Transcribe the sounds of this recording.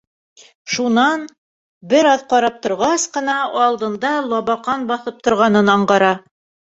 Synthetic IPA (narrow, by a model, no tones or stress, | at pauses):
ʃunɑn | bɘɾɑðqɒɾɑp̚t̪ŏɾʁɑsqɤ̆nɑɒlˠd̪ɤ̆nd̪ɑlˠɒβɑqɑnbɑθɤp̚t̪ŏɾʁɑnɤnɑɴɢɑɾɑ